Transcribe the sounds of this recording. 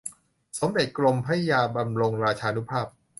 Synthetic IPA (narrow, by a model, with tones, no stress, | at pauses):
so˨˩˦mde˨˩t̪̚klo˧mpʰa˦˥ja˧jaː˧ba˧mɾo˧ŋɾaː˧t͡ɕʰaː˧nu˦˥pʰaː˥˩p̚